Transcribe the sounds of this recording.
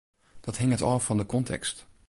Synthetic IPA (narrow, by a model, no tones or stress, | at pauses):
d̥ɑtɦɪŋətɑv̥ɑndəkɔntʰɛ̰kst